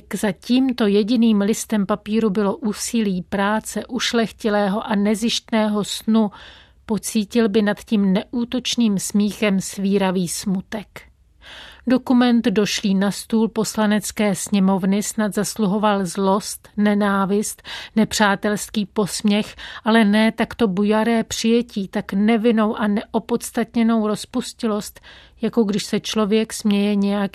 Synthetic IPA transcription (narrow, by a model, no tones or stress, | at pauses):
kzaciːmt̪o̞jɛɟɪniːmlɪst̪ɛmpapiːɾubɪlo̞ʔuːsɪliːpɾaːt͡sɛʔuʃlɛxcɪlɛːɦo̞ʔanɛzɪʃt̪nɛːɦo̞snu | po̞t͡siːcɪlbɪnat̪ciːmnɛʔuːt̪o̞t͡ʃniːmsmiːxɛmsviːɾaviːsmut̪ɛk | do̞kumɛnt̪do̞ʃliːnast̪uːlpo̞slanɛt͡skɛːsɲɛmo̞vnɪsnat̪zasluɦo̞valzlo̞st̪nɛnaːvɪst̪nɛpr̝̥aːt̪ɛlskiːpo̞smɲɛxʔalɛnɛːt̪akt̪o̞bujaɾɛːpr̝̥ɪjɛciːt̪aknɛvɪno̞wʔanɛʔo̞po̞t̪st̪at̪ɲɛno̞wɾospuscɪlo̞st̪ | jako̞ɡdɪʃsɛt͡ʃlo̞vjɛksmɲɛjɛɲɛjak